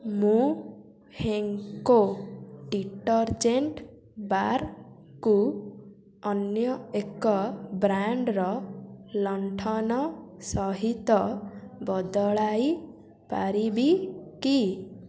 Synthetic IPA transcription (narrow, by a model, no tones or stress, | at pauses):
mũ | heŋkoɖiʈɔɾd͡ʒeɳʈ | baɾ | ku | ɔnjɔekɔbɾaɳɖɾɔlɔɳʈʰɔnɔsɔɦit̪ɔbɔd̪ɔɭaj | pa̰ɾibiki